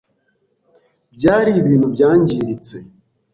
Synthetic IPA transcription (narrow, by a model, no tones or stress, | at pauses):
bjaːɾiːβiːn̤ubjaːɲɟiːɾit͡se